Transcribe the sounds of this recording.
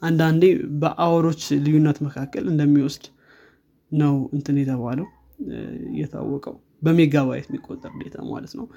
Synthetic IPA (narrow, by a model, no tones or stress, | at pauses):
ʔand̪and̪ebəʔawɾo̞t͡ʃːlɨjunːət̪məkʰakːəlɨnd̪əmːiwɔsd̪̥ | nəwɨnt̪ʰɨnjɛt̪ʰəβaləw | jɛ̰t̪ʰa̰wːɔkʼəw | bəmeɡaβajɛt̪mːikʼːot̪ʼːəɾd̪e̞t̪ʰa̰ma̰lət̪nəw